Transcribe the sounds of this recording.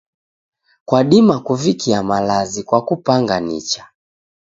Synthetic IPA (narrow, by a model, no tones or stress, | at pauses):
kwaɗimakuvikiamalazikwakupaŋɡanḭt͡ʃḁ